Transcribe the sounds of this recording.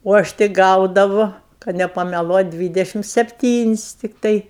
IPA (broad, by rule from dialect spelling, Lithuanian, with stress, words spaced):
oː ˈɐʃ tʲɪk ˈɡɐʊdɐʋʊ kɐt nʲɛpɐmʲɛˈlˠuɔtʲ ˈdʲʋʲiːdʲɛʃʲɪm sʲɛpʲˈtʲiːnʲɪsʲ tʲɪkˈtɐɪ